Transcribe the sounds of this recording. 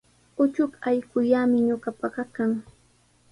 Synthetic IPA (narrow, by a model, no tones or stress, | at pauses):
ʊt͡ʃʊkajkʊʎamɪɲʊɢapaɢɑkaŋ